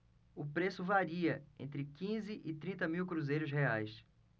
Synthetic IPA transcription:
ʊpɾesʊvaɾiɐḛ̃nt̪ɾɪkĩzɪʔɪt̪ɾĩnt̪ɐmiwkɾuzejɾʊsheajs

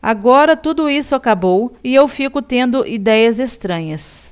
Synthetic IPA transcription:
a̰ɡɔɾɐt̪ud̪ʊisʊakabowɪewfikʊt̪ẽnd̪ʊʔid̪ɛjɐzest̪ɾɐ̃ɲɐs

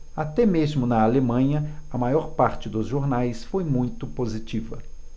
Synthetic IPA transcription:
at̪ɛmezmʊnɐalemɐ̃ɲɐɐmajɔɾpaɾt͡ʃɪd̪ʊzʒoɾnajsfojmũj̃t̪ʊpozit͡ʃivɐ̰

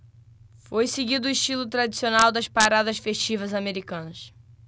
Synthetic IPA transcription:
fojseɡid̪ʊiʃt͡ʃilʊt̪ɾad̪isionawd̪ɐʃpaɾad̪ɐʃfeʃt͡ʃivɐzameɾikɐ̃nɐʃ

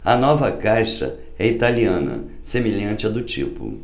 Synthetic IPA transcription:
ɐnɔvɐkajʃɐ̰ | ɛit̪aliɐ̃nɐ̰ | semeʎɐ̃nt͡ʃɪɛd̪ʊt͡ʃḭpʊ̰

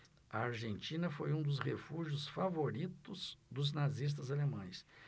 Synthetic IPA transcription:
ɐaɾʒẽnt͡ʃĩnɐfojũd̪ʊshefuʒjʊsfavoɾit̪ʊz̥d̪ʊznazis̬t̪ɐzalemɐ̃j̃s

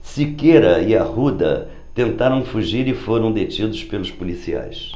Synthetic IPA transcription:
sɪkeɾɐiɐhud̪ɐ̰ | t̪ẽnt̪aɾɐ̃w̃fuʒiɾɪfoɾɐ̃w̃d̪et͡ʃid̪ʊʃpelʊʃpulisia̰js

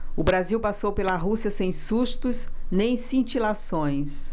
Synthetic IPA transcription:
ʊbɾaziwpasowpelɐɦusiɐsẽj̃suʃt̪ʊsnẽj̃sĩt͡ʃilasõj̃s

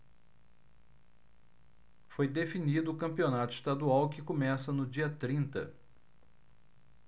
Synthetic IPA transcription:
fojd̪efinid̪ʊːkɐ̃mpionat̪ʊist̪ad̪uawkɪkomɛsɐnʊd͡ʒiɐt̪ɾĩnt̪ɐ̰

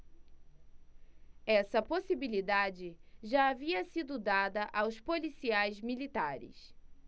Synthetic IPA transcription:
ɛsɐposibilid̪ad͡ʒɪʒaːviɐsid̪ʊd̪ad̪ɐʔawspolisiajzmilit̪aɾɪ̰s

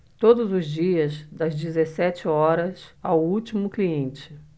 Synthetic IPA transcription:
t̪od̪ʊzʊzd͡ʒiɐzd̪ɐzd͡ʒɪzesɛt͡ʃɪɔɾɐsawut͡ʃimʊkliẽnt͡ʃɪ̥

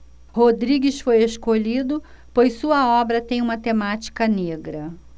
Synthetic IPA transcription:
hod̪ɾiɡɪsfojeskoʎid̪ʊ | pojsːuɐɔbɾɐt̪ẽj̃ũmɐt̪emat͡ʃi̥kɐneɡɾɐ

